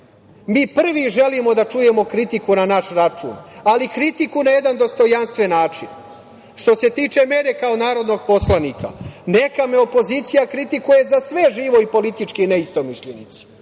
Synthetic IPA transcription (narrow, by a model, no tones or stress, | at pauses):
miːpr̩ʋiʒe̞limo̞d̪at͡ʃuje̞mo̞kɾit̪ikunanaʃɾat͡ʃṵːnalikɾit̪ikunaje̞d̪and̪o̞st̪o̞janst̪ʋe̞nːaːt͡ʂḭn | ʃt̪o̞se̞t̪iːt͡ʃe̞mene̞kao̞naːɾo̞d̪no̞ɡ̚po̞slˠanikʰa̰ne̞kame̞o̞po̞ziːt̪sijakɾit̪ikuje̞zasʋe̞ʒiːʋo̞ipo̞lit̪it͡ʃkine̞ist̪o̞miʃʎenḭt̪si̥